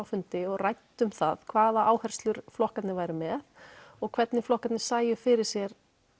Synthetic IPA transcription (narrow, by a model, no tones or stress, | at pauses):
wfʏnt̪ɪɔɣrajt̪ːʏmθa̰ðkʰvaːðaʔaːwhɛr̥st̪lʏɾ̥flɔhkat̪nɪvaːjɾɪmɛðɔɣkʰvɛt̪nɪflɔhkat̪nɪ̥saːjʏfɪɾɪɾ̥sjɛɾ̥